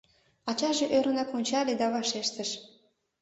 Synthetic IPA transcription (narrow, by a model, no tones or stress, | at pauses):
ɑt͡ɕɑʒeʔøɾənɑkonʲt͡ɕɑled̪ɑβɑʃeʃt̪əʃ